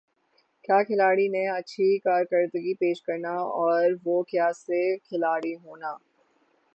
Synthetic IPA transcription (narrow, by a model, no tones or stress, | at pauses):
kjaːkʰɪlaːɽinẽɐtːʃʰikaːɾkɐɾd̪əɡipeːʃkɐɾnaɔːɾʋoːkjaːsekʰɪlaːɽiɦoːnaː